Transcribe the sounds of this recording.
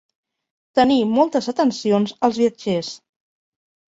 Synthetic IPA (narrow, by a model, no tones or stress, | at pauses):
t̪ənimɔlˠt̪əzət̪ənsionzəlˠzβiəd͡ʒes